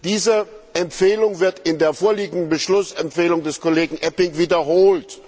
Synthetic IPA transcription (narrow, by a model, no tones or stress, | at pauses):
d̥iːzə | ʔɛmfeːlʊŋvɪɐtɪndeːɐfoːɐliːɡŋ̩dn̩bəʃlʊsɛmpfeːlʊŋdɛskʰoleːɡŋ̩ʔɛpɪŋviːdɐɦoːlt